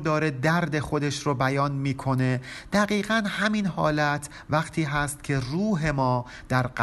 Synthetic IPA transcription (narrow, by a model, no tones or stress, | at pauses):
d̪ɒːɾe̞d̪æɾd̪e̞xo̞d̪e̞ʃɾobæjɒːnmiːkʰo̞ne̞d̪̥æɣiːɣænhæminhɒːlæt̪ʰ | væqt̪ʰiːɦæst̪cʰʲe̞ruːɦe̞mɒː | d̪̥æɾɢ